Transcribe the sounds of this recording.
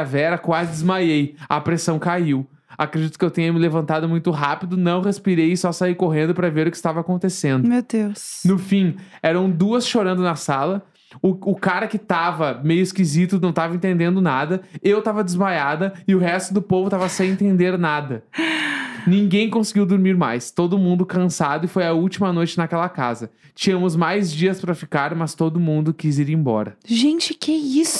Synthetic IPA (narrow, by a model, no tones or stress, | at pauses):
vɛɾɐkwazɪd̪ɪzmajejɐpɾesɐ̃w̃kaiw | akɾed͡ʒit̪ʊ̥kɪewt̪ĩɲɐmɪlevɐ̃nt̪ad̪ʊmũj̃t̪ʊɦapid̪ʊnɐ̃w̃hespiɾejɪsɔsaikoɦẽnd̪ʊpɾɐveɾʊkɪst̪avakõnt̪esẽnd̪ʊmewd̪ewsnʊfĩɛɾɐ̃w̃d̪uɐsʃoɾɐ̃nd̪ʊnɐsalɐ | ʊʊkaɾɐkɪt̪avɐmejʊɪskizit̪ʊnɐ̃w̃t̪avɐẽnt̪ẽnd̪ẽnd̪ʊnad̪ɐewt̪avɐd̪ɪzmajad̪ɐɪʊɦɛst̪ʊd̪ʊpovʊt̪avɐsẽj̃ẽnt̪ẽnd̪eɾnad̪ɐ | nĩŋɡẽj̃kõsɪɡiwd̪oɾmiɾma̰jst̪od̪ʊmũnd̪ʊkɐ̃sad̪ʊɪfojɐuwt͡ʃimɐnojt͡ʃɪnɐkɛlɐka̰zɐ | t͡ʃĩɲɐmʊzmajzd͡ʒiɐspɾɐfikaɾmɐst̪od̪ʊmũnd̪ʊkiziɾẽbɔ̰ɾɐʒẽnt͡ʃɪkɛisʊ̥